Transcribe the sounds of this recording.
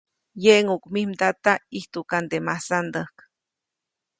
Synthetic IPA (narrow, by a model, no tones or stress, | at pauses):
jeʔŋukmimd̪at̪aiht̪ukand̪emahsand̪əhk